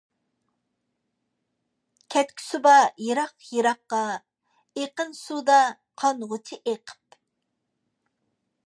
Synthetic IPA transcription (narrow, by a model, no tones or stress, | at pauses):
kʲʰɛt̪̚kʲʰi̥subɑjeɾɑqjeɾɑqːɑ | eqənsud̪ɑ | qʰɑnʁʊt͡ʃʰiʔeqʰə̥p